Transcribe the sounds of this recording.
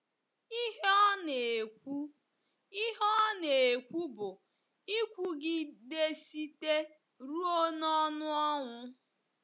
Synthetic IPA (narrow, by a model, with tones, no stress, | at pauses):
i˦ɦe˦ne˨kʷu˦ | i˦ɦɔ˦ne˨e˨kʷu˦bʊ˨ | i˦kʷu˦ɡɪ˦de˦si˦te˦ | ɾu˦o˦nɔ˦nʊ˦ɔ˦ŋʷʊ˦